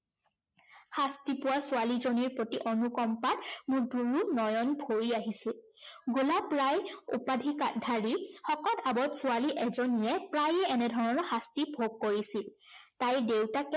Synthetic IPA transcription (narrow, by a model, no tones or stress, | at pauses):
xastipʊwasʊalizoniɹpɹotiʔɔnukɔmpatmʊɹduɹunɔjɔnbʱoɹiaɦisil | ɡulapɹajṵpadʱikadʱaɹixɔkɔtabɔtsʊaliʔɛzonijɛpɹajɛːnɛdʱɔɹɔnɔxastibʱoɡ̚kːoɹisiltajdewtak